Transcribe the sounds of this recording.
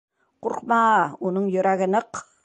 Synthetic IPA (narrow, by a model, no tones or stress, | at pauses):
quɾqmɑunɤɴjɵ̆ɾæɡɘ̆nɤq